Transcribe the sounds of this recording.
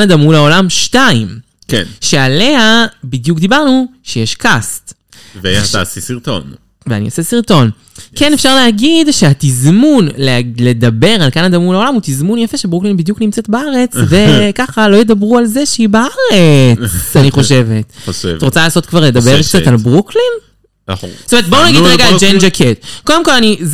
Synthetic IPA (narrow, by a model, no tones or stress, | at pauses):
nad̪amulao̞lamʃtaim | kenʃeale̞ɦabid̪jukd̪ibaʁnuʃejeʃkast̪ | veasisiʁt̪o̰n | vea̰niasesiʁt̪o̞n | kenefʃaʁleɦaɡidʃeat̪izmunlele̞d̪abe̞ʁalkanad̪amulaolamut̪izmunjafeʃebʁuklinbid̪juknimt͡setbaaʁet͡sve̞kaχalo̞jed̪abʁualzeʃeibaaʁet͡saniχo̞ʃe̞ve̞t̪evʁot͡salaːso̞t̪̚kvaʁle̞d̪abeʁkt͡satalbʁuklin | stomeʁet̪̚bounaɡidʁeɡad͡ʒend͡ʒakʰet̪̚ko̞demko̞laniz